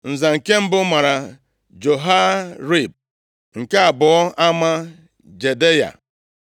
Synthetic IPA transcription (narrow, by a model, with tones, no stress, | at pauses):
n̩˨za˨ŋ̩˨ke˦m̩˦bʊ˦ma˨ɾa˨ | d͡ʒo˨ɦa˦ɾi˦˨b̚ | ŋ̩˨ka˦a˨bʊ˨ɔ˦ʔa˦ma˦ | d͡ʒe˨de˦ja̰˨